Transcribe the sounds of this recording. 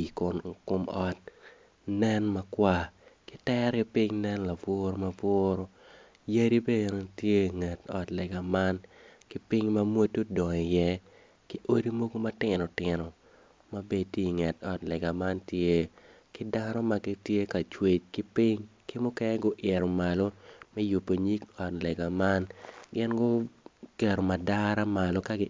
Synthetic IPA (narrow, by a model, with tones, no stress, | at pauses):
ikʊ˨nkʊ˦mɔ˦t̚ | nɛ˦nma˦kwa˦kɪ˦tɛ˦ɾkɛ˦pi˦ŋnɛ˦nla˨vwo˦ɾo˦ma˨vɔ˦ɾo˦ | je˦ɾi˦be˦˨no˦tje˦ŋɛ˨tɔ̰˨tlɛ˨ɡa˨ma˦nkɪ˦pi˦ŋma˦mwo˦tːo˦dɔ˨i˨jɛ˦ | ki˦ʔo˦ɾi˦mo˦ɡo˦ma˦tɪ˨nɔ˨tɪ˨nɔ˨ | ma˦be˦tje˦i˨ŋɛ˨tɔ˨tlɛ˨ɡa˨ma˦ntje˦ | kɪ˦da˦nɔ˦ma˨ɡɪ˦tje˦ka˨t͡ʃwe˨t͡ʃkɪ˦pi˦ŋkɪ˦mʊ˦kɛ˦nɛ˦ɡʊ˦ʔɪ˨ɾɔ˨ma˨lo˦mɛ˦ju˨pːo˨ɲi˦kɔ˨tlɛ˨ɡa˨ma˦nɡɪ˦nɡʊ˦kɛ˨ɾɔ˨ma˨da˦ɾa˦ma˨lɔ˦ka˦ɡɪ˦